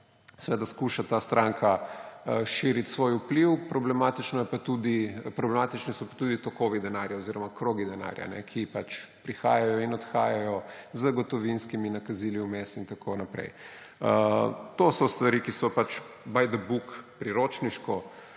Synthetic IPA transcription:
sɛʋed̪askuʃat̪aːst̪ɾʔaŋkʰa | ʃiɾit̪sʋoːjupliwpɾɔblɛmat̪it͡ʃnɔjɛpat̪ud̪ipɾɔblɛmaːt̪it͡ʃnisɔpat̪uːd̪it̪ɔkoːʋid̪ɛnaɾjaoziɾɔmakɾoɡid̪ɛna̰ɾja̰nɛ̰kʰipat͡ʃpɾixaːjajɔinɔt̪xaːjajɔzəɡɔt̪ɔʋinskiminakaziːliumesint̪akʰonapɾɛ̰j | t̪osɔst̪ʋaɾikisɔpat͡ʃbajd̪əbukpɾiɾoːt͡ʃniʃkɔ

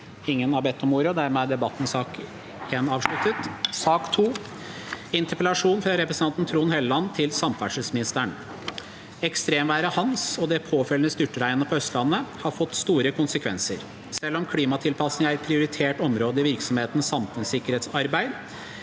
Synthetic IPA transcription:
ɪŋːənɑɾbɛt̪ːɔmuːɾəd̪æɾmɛd̪ɛbɑt̪ːn̩sɑːk | eːnɑːʋʂlʉt̪ət̪sɑːkt̪ʰuː | ɪnt̪əpəlɑʂuːnfɾɑɾɛpɾəsn̩ʰɑnt̪n̩t̪ʰɾuːnhɛləlɑnt̪ʰɪlsɑmfæʂəlsmɪnɪst̪əɳ | ɛkst̪ɾeːmʋæːɾəhɑnsɔd̪ɛpʰoːfɛlənəst̪ʏʈːəɾæɪənəpʰɔœst̪lɑnːəhɑɾfɔt̪ːst̪uːɾəkʊnsəkʰʋɛ̰nsə̰ɾ | sɛlːɔmkʰliːmɑt̪ʰɪlpʰɑsnɪŋæɾpʰɾɪʊɾɪt̪ʰeːʈɔmɾoːd̪əɪʋɪɾksɔmheːt̪n̩sɑmfʉnsɪkːəɾheːt̪sɑɾbæɪd̪

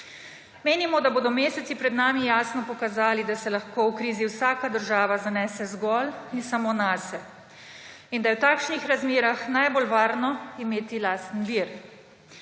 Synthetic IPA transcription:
meːnimɔd̪aboːd̪ɔmeːsɛt̪sipɾɛd̪naːmijaːsnɔpɔkazaːlid̪asɛlaxkoːwkɾiːziwsaːkad̪əɾʒaːʋazanɛːsɛzɡɔlinsamoːnasɛ | ind̪ajɛwt̪aːkʃnixɾazmeːɾaxnajbolʋaːɾnɔimeːt̪ilaːst̪n̩ʋiɾ

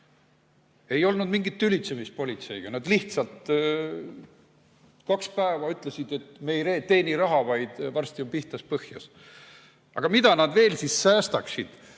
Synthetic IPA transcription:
e̞jo̞lnud̪miŋɡit̪ːylʲit̪se̞mis̚po̞lʲit̪se̞jɡ̥ɑnɑd̪liht̪sɑlt̪ˑ | kɑkspæevɑyt̪ˑle̞sid̪̥e̞t̪ːˑme̞jɾet̪e̞ːniɾɑɦɑvɑjd̪̥vɑrst̪io̞mpiht̪ɑspɤhjɑ̰s | ɑ̰ɡ̥ɑmid̪̥ɑnɑd̪ve̞ːlsisːæːst̪ɑksid̪̥

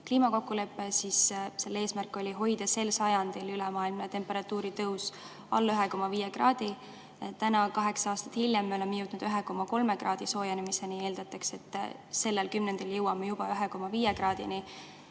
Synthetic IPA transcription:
kliːmɑko̞kːule̞pːˑesisse̞lːe̞ːsmærkːˑo̞lʲiɦo̞jd̪̥ɑse̞lsɑjɑnd̪̥ilylɛmɑːilmnet̪e̞mpeɾɑt̪ːuːɾit̪ɤws | ɑ̰lːyɦeko̞mːɑviːjeɡ̥rɑːd̪̥i | t̪ænɑkɑɦe̞ksɑɑːst̪ɑ̥t̪hilʲjemːeo̞lemejuwt̪nud̪̥yɦeko̞mːɑko̞lme̞ɡrɑːd̪̥iso̞ːjɑnimisːenieːld̪̥ɑt̪ːˑɑkse̞t̪ːˑse̞lːelkymnend̪̥ɑljɤwːɑmejub̥ɑyɦeko̞mːɑviːjeɡrɑːd̪̥ḭni

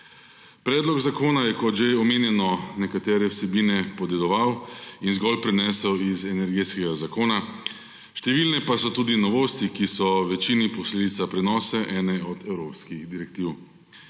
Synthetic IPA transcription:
pɾɛːd̪lɔɡzakoːnajɛkɔt̪ʒeɔmeːnjɛnɔnɛkat̪ɛːɾɛwsɛbiːnɛpɔd̪ɛd̪ɔʋawinzɡɔlpɾɛnɛːsəwizɛnɛɾɡeːt̪skɛɡazakoːna | ʃt̪ɛʋiːlnɛpasɔt̪uːd̪inɔʋoːst̪ikisɔʋɛt͡ʃiːnipɔsleːd̪it̪sapɾɛnɔːsɛʔɛːnɛɔd̪ɛwɾoːpskixd̪iɾɛkt̪iw

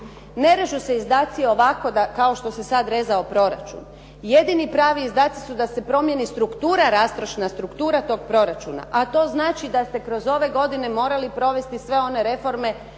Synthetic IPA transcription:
ne̞ɾeʒuse̞izd̪aːt̪sieo̞ʋako̞d̪akao̞ʃt̪o̞se̞sad̪ɾe̞zao̞pɾo̞ɾa̰t͡ʃṵn | je̞d̪inipɾaːʋiːzd̪aːt̪sisud̪ase̞pɾo̞mje̞nist̪ɾukt̪uːɾaɾaːst̪ɾoʃnast̪ɾukt̪uːɾat̪o̞ːɡ̚pɾo̞ɾat͡ʃuna̰ʔat̪o̞ːznaːt͡ʃid̪ast̪e̞kɾo̞zo̞ʋe̞ɡo̞d̪ine̞mo̞ːɾalipɾo̞ʋe̞st̪isʋe̞o̞ne̞ɾe̞fo̞ɾme̞

